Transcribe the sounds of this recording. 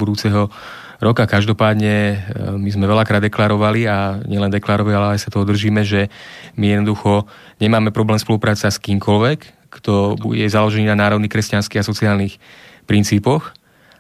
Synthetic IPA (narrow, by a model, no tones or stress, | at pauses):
bud̪uːt͡sɛɦɔ | ɾɔkakaʒd̪ɔpaːd̪ɲɛmizmɛʋɛʎakɾaːd̪ɛklaɾɔʋaliaɲɛlɛnd̪ɛklaɾɔʋalialɛajsat̪ɔɔd̪r̩ʒiːmɛʒɛmijɛd̪nɔd̪uxɔ | ɲɛmaːmɛpɾɔblɛːmspɔlupɾaːt͡saskiːmkɔlʋɛkː | t̪ɔbujɛzalɔʒɛniːnanaːɾɔʊdniːkɾɛscanskiːɦasɔt͡siaːlnixpɾint͡siːpɔx